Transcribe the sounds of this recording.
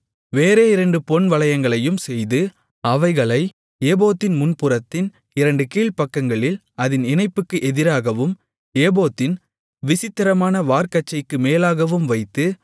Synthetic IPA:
ʋeːɾeːɪɾɐɳɖɯpɔɳʋɐɭɐjɐŋɡɐɭɐjɯmsɛjðɯ | ɐʋɐɪɣɐɭɐɪ | eːboːt̪ːɪnmʊnpɯɾɐt̪ːɪn | ɪɾɐɳɖɯkiːɭpɐkːɐŋɡɐɭɪl | ɐðɪnɪnɐɪpːɯkːɯʔɛðɪɾaːɣɐʋɯm | eːboːt̪ːɪn | ʋɪsɪt̪ːɐɾɐmaːnɐʋaːɾkɐt͡ʃːɐɪkːɯmeːlaːɣɐʋɯmʋɐɪt̪ːɯ

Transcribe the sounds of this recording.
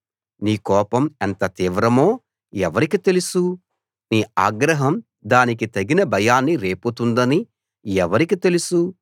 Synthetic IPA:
niːkɔːpɐmɐnt̪ɐt̪iːʋɾɐmo̞ː | ɛʋɐɾikit̪e̞lusu | niːaːɡɾɐɦɐm | d̪aːnik̬it̪ɐɡinɐbʱɐjaːnːiɾe̞ːput̪und̪ɐni | ɛʋɐɾikit̪e̞lusu

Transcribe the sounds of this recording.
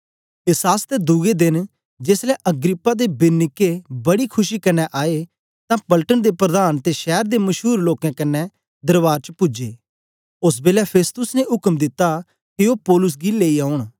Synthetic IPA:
ɪsaːst̪ed̪uɡed̪ɪn | d͡ʒeslɛːʔəɡɾɪpːaːd̪eːbɪnːɪkːebɐɽiːkʰʊʃiːkɐnːɛʔaːe | t̪ãːpəlʈənd̪eːpɾəd̪aːnt̪eʃɛːɾd̪eːmɐʃɦuːɾloːkɛ̃kɐnːɛ | d̪əɾʋaːɾt͡ʃpʊd͡ʒḛː | ʊsbeːlɛpʰeːst̪ʊsneɦʊkəmd̪ɪt̪ːa | kɪoːpɔːlʊs̬ɡileːiaːʊɳ̃

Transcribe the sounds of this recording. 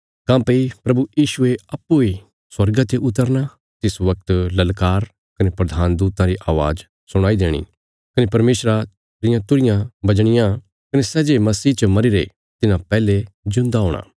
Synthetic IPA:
kãːpeipɾɐbujiːʃueɐpːui | swɐɾɡat̪eʔʊt̪əɾna | t̪ɪsʋɐk̚t̪lɐlkaːɾ | kɐnepɾɐd̪ʱaːnd̪uːt̪ãɾiʔaːʋa̰ːd͡ʒ | sʊɽ̃aːid̪eːɽ̃ḭ | kɐnepɐɾmeːʃɾa | ɾɪjãt̪ʊɾɪjãbɐd͡ʒɽ̃ɪjã | kɐnesɛːd͡ʒemɐsiːt͡ʃmɐɾiɾḛ | t̪ɪnãpɛːled͡ʒʊ̃nd̪aɦoːɽ̃a̰ː

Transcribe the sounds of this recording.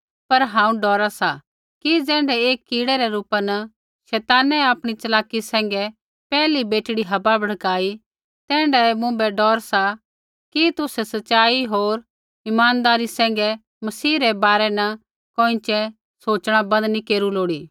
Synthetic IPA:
pɐɾɦãːũɖɔːɾasa | kid͡zɛ̃ːɳɖɛeːkːiːɽɛɾɛɾuːpanɐ | ʃɛːt̪aːnɛaːpɽ̃it͡ʃɐlaːkːisɛ̃ːŋɡɛ | pɛːlibeːʈɽiɦɐbabʱɐɽ̤kaːi | t̪ɛ̃ːɳɖɛmʊ̃bɛɖɔːɾsa | kit̪ʊsɛsɐtːʃaːiɦoːɾ | ɪmaːnd̪aːɾisɛ̃ːŋ̆ɡɛ | mɐsiːɾɛbaːɾɛnɐ | koːɪ̃t͡ʃɛ | soːt͡ʃɽ̃abɐ̃nd̪nikeːɾuloːɽiː

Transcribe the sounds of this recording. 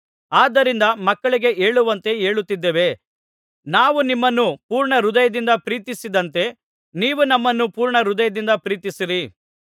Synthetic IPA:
aːd̪ɐɾind̪ɐmɐkːɐɭiɡe̞eːɭuʋɐnt̪e̞eːɭut̪ːid̪ːeːʋe̞ | naːʋunimːɐnːupuːɾɳɐɾud̪ɐjɐd̪ind̪ɐpɾiːt̪isid̪ɐnt̪e̞ | niːʋunɐmːɐnːupuːɾɳɐɾud̪ɐjɐd̪ind̪ɐpɾiːt̪isiɾi

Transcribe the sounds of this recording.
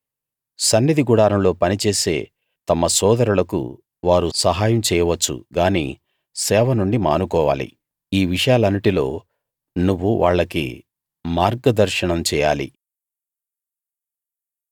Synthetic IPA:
sɐnːid̪iɡuɽaːɾɐmlo̞ːpɐnit͡ʃe̞ːse̞̰ː | t̪ɐmɐsɔːd̪ɐɾulɐkṵ | ʋaːɾusɐɦaːjɐmt͡ʃɛːjɐʋɐt͡ʃːṵɡaːnḭː | sɛːʋɐnuɳɖima̰ːnukɔːʋaːlḭ | iːʋiʂɐjaːlɐnːiʈilo̞ː | nuʋːuʋaːɭːɐkḭ | maːɾɡɐd̪ɐɾʃɐɳɐmt͡ʃɛːja̰ːlḭ

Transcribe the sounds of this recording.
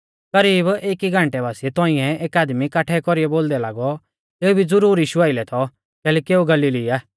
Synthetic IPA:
kɐɾiːbeːkiɡʱãɳʈɛbaːsiɛt̪ɔ̃ɪ̃ɛeːkaːd̪mikaːʈʰɛkɔɾiɛboːld̪ɛlaːɡɔ | t̪eːubʱid͡zʊɾuːɾiːʃuaːɪlɛt̪ʰɔ | kɛːlɛkieːuɡɐliːliaː

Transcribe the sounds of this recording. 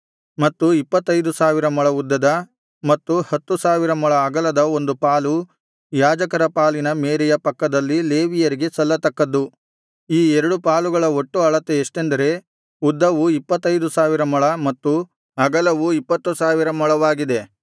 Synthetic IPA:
mɐt̪ːuipːɐt̪ːɐjd̪usaːʋiɾɐmɔɭɐud̪ːɐd̪ɐ | mɐt̪ːuhɐt̪ːusaːʋiɾɐmɐɭɐɐɡɐlɐd̪ɐo̞nd̪upaːlu | jaːd͡ʒɐkɐɾɐpaːlinɐmeːɾijɐpɐkːɐd̪ɐlːile̞ːʋijɐɾiɡe̞sɐlːɐt̪ɐkːɐd̪ːu | iːɛɾɐɽupaːluɡɐɭɐo̞ʈːuɐɭɐt̪ːeːʂʈe̞nd̪ɐɾe̞ | ud̪ːɐʋuipːɐt̪ːɐjd̪usaːʋiɾɐmɐɭɐmɐt̪ːu | ɐɡɐlɐʋuipːɐt̪ːusaːʋiɾɐmɔɭɐʋaːɡid̪e̞

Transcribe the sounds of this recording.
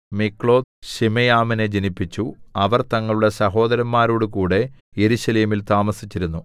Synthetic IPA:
mikːɭo̞ːd̪ɕimejaːmine̞d͡ʑenipːit͡ɕːuɐʋɐrt̪ɐŋːɐɭuɽɐsɐɦo̞ːd̪ɐɾɐmːaːɾoːɽukuːɽe̞ | je̞ɾuɕɐleːmilt̪aːmɐsit͡ɕːiɾunːu

